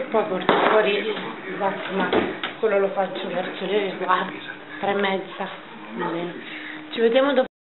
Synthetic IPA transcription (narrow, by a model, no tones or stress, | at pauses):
pːɔjkort̪afwɔːɾizak̪ːomakːwelːolofat͡ʃːovɛrsoleɡwa | t̪ːɾemːɛd̪zːa | mabɛːnet͡ʃived̪jaːmod̪o